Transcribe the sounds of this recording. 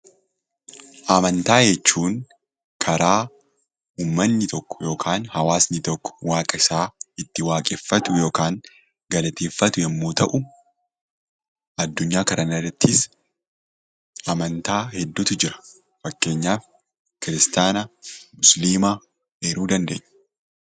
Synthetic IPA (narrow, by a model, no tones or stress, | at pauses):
ʔɐmɐnt̪aːd͡ʒɛt͡ʃːuːŋ | kʰɐɾaː | uːmːɐnːɪt̪ɔkːɔ̥jo̞ːkʰaːnhɐwaːsnɪt̪ɔkːɔ̥waːkʼɐɪsaːɪt̪ːɪwaːkʼɛfːɐt̪ʊjo̞ːkaːŋ | ɡɐlɐt̪eːfːɐt̪ʊjɛmːo̞ːt̪ɐʔʊ | ɐd̪ːʊɲːaːkɐɾʔɐnɐrɐt̪ʰːɪs | ʔɐmɐnt̪aːhɛd̪ːʊt̪ʊd͡ʒɪɾɐ̥ | fɐkːe̞ːɲːaːf | kɪɾɪst̪aːnɐmʊsliːmɐ | eːɾuːd̪ɐnd̪eːɲː